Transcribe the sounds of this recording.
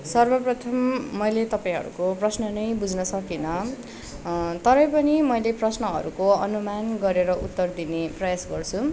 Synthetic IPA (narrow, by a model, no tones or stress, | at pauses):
sʌrbʌprʌt̪ʰʌmːʌjlet̪ʌpaj̃ɦʌ̰ɾṵkoprʌsnʌnʌjbud͡zʱnʌsʌkinʌ | t̪ʌɾʌjpʌnimʌjleprʌsnʌɦʌ̰ɾukoʌnumanɡʌɾeɾʌʔṵt̪ːʌrd̪ineprʌjasɡʌrt͡sʰu